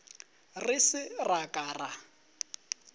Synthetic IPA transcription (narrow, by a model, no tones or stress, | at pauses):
rɪsɪrakʼaːra